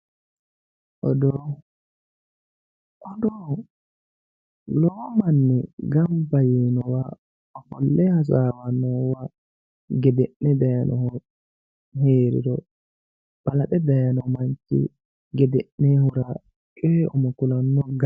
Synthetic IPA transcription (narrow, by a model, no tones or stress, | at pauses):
ʔɔ̰dɔ | ʔɔdɔ | lɔːmanːɛɡambajinɔwa | ɔfɔ̰lːɛhas̬aːwanɔwa | ɡɛdɛʔːɛdajanʔɔhɔ | heːɾḭdɔ | b̥alaɗɛdajanɔmaɲt͡ʃːḭ | ɡɛdɛʔnːɛhuɾa | kʼɛːɔmɔkulanːɔɡa